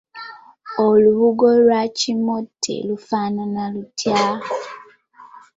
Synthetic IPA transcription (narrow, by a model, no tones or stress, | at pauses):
oluβuɡolwacimotʰːḛlufaːnanalutʰjaː